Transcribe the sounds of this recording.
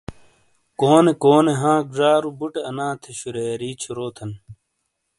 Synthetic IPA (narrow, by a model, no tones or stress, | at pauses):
koːnekoːneɦãːɡʐaːɾubuʈeɐnãːt̪ʰeɕuɾeːɾiːt͡ɕʰuɾoːt̪ʰɐn